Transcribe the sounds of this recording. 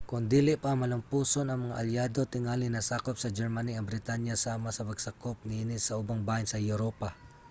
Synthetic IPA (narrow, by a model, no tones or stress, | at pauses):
kʊnd̪iːlɪʔpaːŋmːɐlʊmpuːsonɐŋmɐŋaʔɐljaːd̪ot̪ɪŋaːlɪnːɐsaːkop̚sɐd͡ʒɛɹmaniɐŋbɾɪt̪anjasaːmasɐpɐɡsɐkop̚nɪʔɪnɪsɐʔʊbaŋbajansɐjʊɾopa